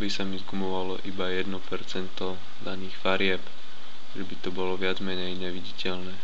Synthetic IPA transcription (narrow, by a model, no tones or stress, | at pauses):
bisamizɡumɔʋalɔ̰ʔibajɛd̪nɔpɛɾt͡sɛnt̪ɔ | d̪aniːxfaɾɪɛp | ʒɛbit̪ɔbɔlɔʋɪad͡zmɛɲɛjɲɛʋiɟicɛʎnɛː